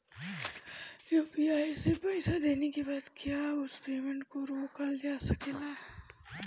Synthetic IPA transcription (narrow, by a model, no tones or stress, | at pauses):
juːpiaːjsepɐɪsad̪eːnekebaːt̪kjaːʊspeːmə̃ɳʈkoɾoːkəld͡ʒaːsɐkela